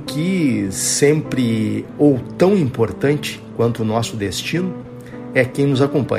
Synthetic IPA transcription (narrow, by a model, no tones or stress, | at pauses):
kɪsẽmpɾɪowt̪ɐ̃w̃ĩmpoɾt̪ɐ̃nt͡ʃɪ̥kwɐ̃nt̪ʊːnɔsʊd̪est͡ʃĩnʊ | ɛkẽj̃nʊzakõmpɐ̰̃